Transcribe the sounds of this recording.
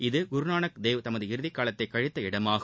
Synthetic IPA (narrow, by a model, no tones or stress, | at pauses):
ɪðɯɡʊɾnaːnɐkd̪eːʋt̪ɐmɐðɯɪɾɯðɪkːaːlɐt̪ːɐɪkːɐɻɪt̪ːɐɪɽɐmaːɣɯ